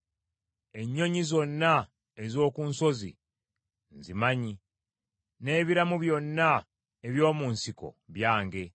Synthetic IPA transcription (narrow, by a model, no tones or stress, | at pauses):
e̞ɲːo̞ɲizo̞nːa | ezo̞ːkunso̞zḭ | nzimaɲi | ne̞ːβiɾamuβjo̞nːa | eβjo̞ːmuːnsiko̞̰βjaːŋɡe̞